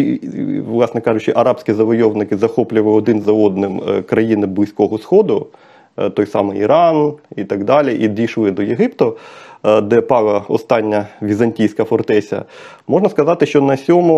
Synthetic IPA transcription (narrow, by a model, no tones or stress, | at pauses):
ʋlˠɑsnɛkɑʐʊt͡ʃɪʔɐɾɑpsʲkʲizɐʋɔjɔʋnɪkɪzɐxɔplʲʊʋlˠɪɔd̪ɪnzɐɔd̪nɪmkɾɐjinɪblˠɪsʲkɔɦɔsxɔd̪ʊ | t̪ɔjsɑ̰mɪjiɾɑnit̪ɐɡd̪ɑlʲiʔid̪ʲijʃlˠɪd̪ɔjeɦɪpt̪ʊ | d̪ɛpɑlˠɐɔ̰st̪ɑnʲːɐʋʲizɐnʲtʲijsʲkɐfɔrt̪ɛsʲɐ̰ | mɔʐnɐskɐzɑt̪ɪʃt͡ʃɔnɐsʲɔmʊ